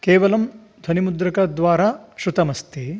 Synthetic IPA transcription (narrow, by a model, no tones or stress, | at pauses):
keːʋɐlɐm | d̪ʱɐnimud̪ɾɐkɐd̪ʋaːɾaːʃɾut̪ɐmɐst̪e